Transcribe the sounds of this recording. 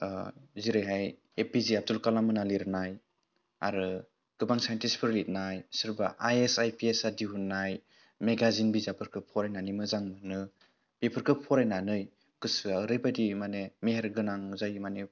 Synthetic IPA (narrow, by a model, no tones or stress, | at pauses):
ziɾɯjɦaj | epiziab̚tulkalamɯnaliɾɯnaj | a̰ɾɯ | ɡ̥ɯbaŋsajntispʰɯɾlit̚najsɯɾbaʔajesajpiesadiɦunːaj | meɡazinbizapʰɯɾkʰɯpʰɔɾajnanɯmɯzaŋmɯnɯ | b̥epʰɯɾkʰɯpʰɔɾajnanɯj | ɡ̥ɯsɯaɾɯjbadimanemeɦeɾɡɯnaŋzajmane